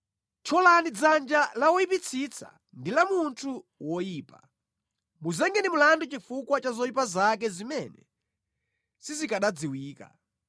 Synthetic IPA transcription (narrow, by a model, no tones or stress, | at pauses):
t͡ʃʰɔlanid͡zand͡ʒalawɔjipit͡sʰit͡sʰa̰ | ndilamuntʰuwɔjiːpa̰ | muzɛŋɡɛnimulandut͡ʃifukwat͡ʃazɔjipazakɛzimɛnɛ̰ | sizikaɗad͡ziwiːka̰